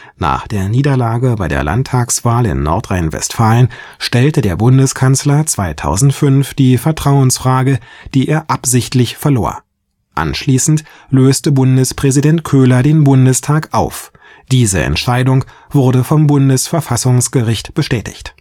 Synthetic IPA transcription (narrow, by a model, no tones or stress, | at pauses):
na̰ːχd̥eːɐniːdɐlaːɡəbaɪdḛːɐlʔa̰ntʰaːksv̥aːlɪ̰nːɔ̰ɐtʁ̥aɪnvɛ̰stfaːlənʃtɛltədeːɐbʊndəskʰanslɐt͡sv̥aɪtʰa̰ʊzn̩tfʏnfd̥iːfɛɐtʁ̥aʊənsfʁ̥aːɡəd̥iːʔeːɐʔapz̥ɪçtlɪçfɛɐlo̰ːɐ | ʔa̰nʃliːsn̩t | løːstəbʊndəspʁ̥ɛzidɛntkʰøːlɐdeːnbʊndəstʰaːkʔaʊf | d̥iːzə̰ʔɛ̰ntʃaɪdʊŋ | v̥ʊɐdəfɔmbʊndəsfɛɐfasʊŋsɡ̥əʁɪçtb̥əʃtɛːtɪ̥̰çt